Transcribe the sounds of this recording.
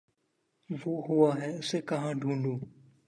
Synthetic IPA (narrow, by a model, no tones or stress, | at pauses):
ʋoːɦʊaːɦɛːʊseːkəɦãːɖʱũːɳɖuː